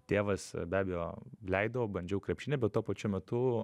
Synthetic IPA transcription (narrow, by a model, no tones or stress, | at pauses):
t̪ʲeːʋɐsbʲæːbʲɛjoːlʲɛɪd̪ɐʋoːbɾɐnʲd͡ʒʲɛʊkɾʲɛpʲʃʲɪnʲɛbʲɛt̪t̪ːuɔpɐt͡ʃʲʊmʲɛt̪ʊ